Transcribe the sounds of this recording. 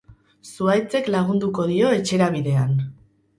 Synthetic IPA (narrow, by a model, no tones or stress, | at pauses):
suajt͡se̞klaɣ̞und̪uko̞ð̞io̞e̞t͡ʃe̞ɾaβiðe̞an